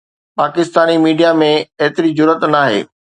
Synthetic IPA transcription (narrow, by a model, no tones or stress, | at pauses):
paːkɪst̪aːnimiːɖijamẽeɦt̪ɪɾid͡ʑʊɾət̪naːɦḛː